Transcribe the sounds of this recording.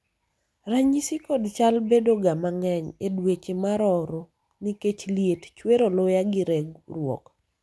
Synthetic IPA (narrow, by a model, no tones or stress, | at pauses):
raɲisikodt͡ʃalbedoɡamaŋɛɲedwet͡ʃemaɾɔɾo | niket͡ʃliett͡ʃweɾolojaɡɪɾɛɡrwɔ̰k